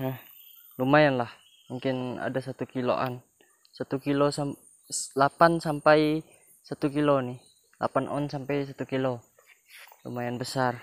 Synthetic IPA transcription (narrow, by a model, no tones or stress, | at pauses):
nah | lumajanlah | muŋkɪna̰dasat̪ukilo̰ʔa̰n | sat̪ukilosa | lapansampaj | sat̪ukiloni | lʔa̰panʔɔ̰nsampajs̬at̪ukilo | lṵmajanbəsar